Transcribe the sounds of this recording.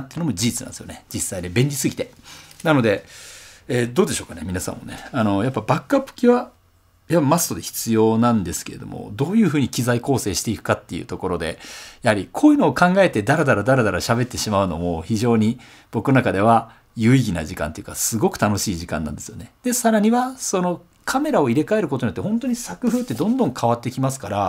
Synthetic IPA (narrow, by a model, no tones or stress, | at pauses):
t̪ːeiɯ̟nomod͡ʑiit͡sɨna̰nd̪sɨjo̰ned͡ʑisːaid̪ebẽ̞ɲʲɾʲisɨɡʲit̪e̞nano̞d̪e̞ | eːd̪oːd̪e̞ɕo̞ːkanemʲinasã̰mːo̞̰neano̞japːabakɯːapːɯ̟̥kʲiβa | japːamast̪o̞d̪e̞çi̥t͡sɨjo̞ːnãnd̪e̞sɨ̥ke̞ɾe̞d̪o̞̰mo̞̰d̪o̞ːjɯ̟ːɸɯ̟ːɲ̟ikʲizaiko̞ːse̞ːɕi̥t̪e̞ikɯ̟̥kat̪ːe̞jɯ̰t̪o̞ko̞ɾo̞d̪e̞̰jahaɾʲikʰo̞ːjɯ̟ːnoːkãŋɡae̞t̪e̞d̪aɾed̪aɾad̪aɾed̪aɾaɕabe̞t̪ːe̞ɕimaɯ̟no̞̰mo̞çiʑo̞ːɲ̟i | b̥o̞kɯnonakad̪e̞βa | jɯ̟iɡʲina̰ʑikã̰nt̪e̞jɯ̟kasɨɡo̞kɯ̟̥t̪ano̞ɕiːʑikã̰nːã̰nd̪e̞sɨjo̞ne̞d̪̥e̞saɾaɲ̟iβaso̞no̞ | kʰame̞ɾao̞iɾe̞kae̞ɾɯ̟k̬oo̞ɲjot̪ːhõ̞nt̪o̞ɲ̟isakɯ̟ɸɯ̟ːt̪ːe̞d̪õ̞nd̪õ̞ŋkʰaβat̪ːe̞kʲimasɨ̥kaɾa